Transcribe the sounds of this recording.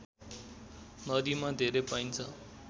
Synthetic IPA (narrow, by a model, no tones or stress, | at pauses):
nʌd̪imad̪ʱeɾepaint͡sʰʌ